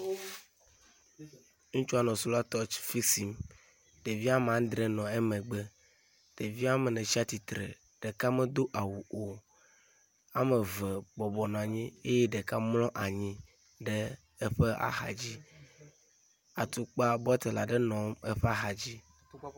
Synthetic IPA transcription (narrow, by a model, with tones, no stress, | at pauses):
ŋũ˦t͡ʃu˦a˨nɔ̃˨su˦la˦t̪ɔ˦t͡ʃfi˦si˨m | ɖ̥e˨vi˦a˦m˨ã˨˦d̪ɾɛ˨nɔ̃˨ɛ˦mɛ̃˨ɡ͡bɛ˦ | ɖ̥e˨vi˦a˦mɛ˨nɛ̃˨si˦a˦t̪i˨t̪ɾɛ̰˨ | ɖ̥ɛ˨ka˦mɛ˦d̪o˦ʔa˨wu˨o˨ | a˦mɛ̃˨vɛ˨bɔ˨bɔ˨nɔ̃˨a˨ɲĩ˦e˦jɛ˦ɖɛ˨ka˦mlɔ̃˦ʔa˨ɲĩ˦ | ɖɛ˦ | ɛ˦ɸɛ˦ʔa̰˨ɦa̰˨d͡ʑi˦ | a˨t̪u˨k͡pa˦bɔ˦t̪ɛ˨la̰˨ɖɛ˦nɔ̃˨mɛ˦ɸɛ˦a˦ɦa˨d͡ʑi˦